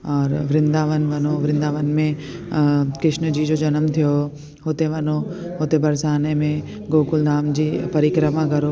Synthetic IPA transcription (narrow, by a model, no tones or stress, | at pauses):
ɔːɾʋɾɪ̃nd̪aːʋənʋɐnoʋɾɪ̃nd̪aːʋənmẽ | kɾɪʃnəd͡ʑiːd͡ʑoːd͡ʒɐnəmt̪ʰijo | ɦoːt̪eʋɐnoɦoːt̪ebɐɾsaːnemẽ | ɡoːkʊlnaːmd͡ʑiːpɐɾikɾəmaɡɐɾo